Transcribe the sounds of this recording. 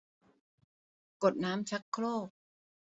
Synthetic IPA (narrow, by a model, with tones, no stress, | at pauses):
ko˨˩t̪̚naː˦˥mt͡ɕʰa˦˥kʰːloː˥˩k̚